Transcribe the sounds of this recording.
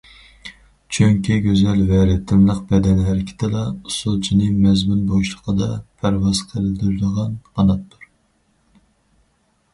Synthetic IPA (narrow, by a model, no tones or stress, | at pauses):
t͡ʃʰøŋkʲiɡʲøzɛlvɛɾɪt̪ʰːɪnlˠəqbɛd̪ɛnæɾɪkʲʰɪ̥t̪ʰɪlɑusolˠt͡ʃʰinɨmɛzmynboʃlˠəqʰəd̪ɑpʰæɾwɑzqʰəld̪yɾɪd̪əʁɑnqɑnɑt̪ʰːuɾ